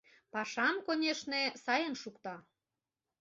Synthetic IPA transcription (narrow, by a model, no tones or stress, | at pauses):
pɑʃɑmkonʲeʃnesɑjənʃukt̪ɑ